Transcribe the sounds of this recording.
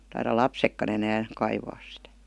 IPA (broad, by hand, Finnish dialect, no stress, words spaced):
tɑirɑ lɑpsekːɑn enæːn̞ kɑiʋɑːs sĭtæ